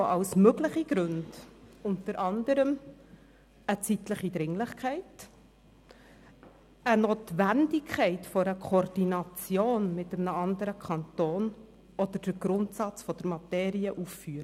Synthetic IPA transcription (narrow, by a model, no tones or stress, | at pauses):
oʔɑʊsmøɡlɪχiɡɾɵndʊnt̪əɾʔɑnd̪əɾəm | ət͡sitləχid̪ɾɪŋlɪχkʰɛɪt | ənoːtʋændɪkʰχɛɪtfɔɾəkʰord̥inɑt͡sjoːnmɪtəmnəɑnd̪əɾəkʰɑntoːn | ɔd̥̪əɾd̥əɾɡɾʊntsɑt͡sfɔd̥̪əɾmɑtɛːɾiəʔuffyːɾ